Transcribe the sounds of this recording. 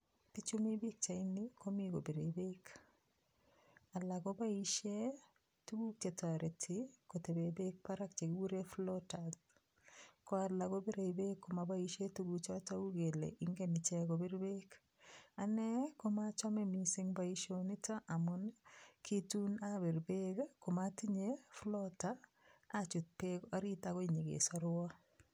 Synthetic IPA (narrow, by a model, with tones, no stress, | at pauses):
pi˦t͡ʃu˦mi˦bi˦k̚t͡ʃa˨i˦ni˦ko˦mi˦ɡo˨be˨ɾe˨be˦k | a˨la˨ɡɔ˦ba˦i˦ʃe˦ | tu˦ɡu˦k̚t͡ʃe˨tːɾe˨tʰɪ˨ko˨te˨be˨be˦k̚pa˦ɾa˦k̚t͡ʃe˨ɡwu˦ɾe˦flɔ˦tad | kɔ˦a˨la˨ɡo˦be˦ɾe˨ibe˦kːo˨ma˨ba˦i˦ʃe˦tu˦ɡu˨t͡ʃa˦ta˦u˦ɡe˨lḛʔiŋɡe˦nɪ˨t͡ʃɛ˦ɡo˨be˦ɾbe˦k | a˨nɛ˦ko˦ma˦t͡ʃɔ˦memiseŋbaiʃo˦ni˦ta˦ʔa˨mʊnkʰitu˦nabi˨ɾbe˦kko˨mati˦ɲeflɔtaː | t͡ʃu˨t̚pekɔɾi˦takɔ˦iɲi˨ɡḛ˨sɔɾwa˦